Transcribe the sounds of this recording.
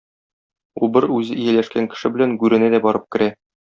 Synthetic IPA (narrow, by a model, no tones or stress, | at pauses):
ubɤɾʉzɘʔijælæʃkæŋkɘ̥̆ʃɘbɘ̆læŋɡʉɾɘ̆næd̪æbɒɾɤp̚kɘ̆ɾæ